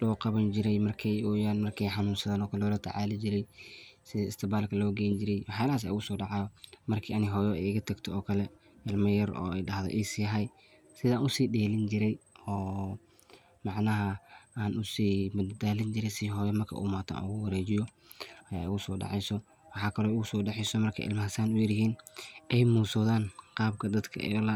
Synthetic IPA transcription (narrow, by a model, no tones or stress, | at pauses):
lɔːqɑβɐnt͡ʃɪɾɛjmɐrkʰɛjɔːjaːnmɐrkʰɛjħɑnuːnsɐðaːnɔːkʰɐlɔːlɐt̪ʰɐ̰ʕaːlɪt͡ʃɪɾɛjsɪðɐɪst̪ʰɪbaːlkʰɐlɔːɡɛjɲt͡ʃɪɾɛjwɑħjaːlɐaːs̬a̰ʊɣʊsɔːɖɑʕɑjɔmɐrkʰiːɐnɪɦɔːjɔɛ̰jɪɣɐt̪ʰɐɡt̪ʰɔɔːkʰɐlɛ | ʔɐlmɐjɐɾɔ̰ːɛjɖɐɦðɛ̰ʔɛsiɦɐj | sɪðaːnʊsiːɗɛːlɪnt͡ʃɪɾɛjɔː | mɑʕnɐɦɐaːnʔʊsiːmɐd̪d̪aːlɪnt͡ʃɪɾɛjsiːɦɔːjɔmɐrkʰɐ̰ʔṵːmaːt̪ʰa̰ːnʊɣʊwɐɾɛːt͡ʃɪjɔ | ɐja̰ːʊɣʊsɔːɖɑ̰ʕɛjsɔ | wɑħɑːkʰɐlɔːʊɣʊsɔːɖɑħɪsɔmɐrkʰɛ̰jɪ̰lmɐɦɐsaːnʊjɪɾɪɦiːnʔɛjmuːsɔðaːnqɑːb̚kʰɐd̪ɐd̪kʰɐ̰ʔɛ̰lɐ